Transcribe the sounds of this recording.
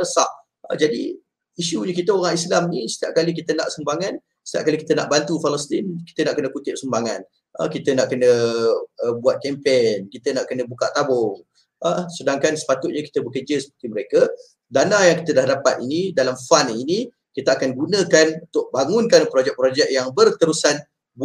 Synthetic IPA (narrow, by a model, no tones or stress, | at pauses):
əsaʔ | ə̰d͡ʒadi | iʃuɲəkit̪əoɾaŋislamnisə̥t̪iaʔ̚kalik̬it̪əna̰ʔsəmbaŋan | sə̥t̪ia̰ʔ̚kalikit̪əna̰ʔbant̪ufalɔst̪inki̥t̪ənaʔkənə̃kut̪ɪʔ̚səmbaŋan | ə̰kit̪ənaʔkənə | əbuat̪̚kɛmpenkit̪ənaʔkənə̃buka̰ʔt̪abɔŋ | ʔəsədaŋkansə̥pat̪ʊʔ̪̚ɲəki̥t̪əbəkəd͡ʒəsə̥pərt̪iməɾeka | danajaŋki̥t̪ədahdapat̪inidalamfanini | kit̪əakanɡunə̃kanunt̪ʊʔ̚baŋʊnkanpɾod͡ʒɛk̚pɾod͡ʒɛk̚jaŋbərt̪əɾusan | b